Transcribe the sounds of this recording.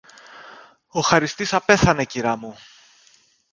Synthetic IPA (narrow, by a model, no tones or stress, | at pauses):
o̞xɐɾist̪isɐpe̞θɐne̞ciɾɐmu